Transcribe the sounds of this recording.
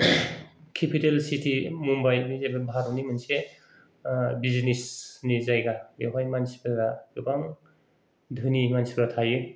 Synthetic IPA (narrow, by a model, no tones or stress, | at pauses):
kʰepʰitelsitʰimumbajbizajbɯbʱaɾɔnimɯnse | biznisnizajɡabeɦajmansi̥pʰɯɡaɡɯbaŋ | dʱɯnimansipɾatʰajɯ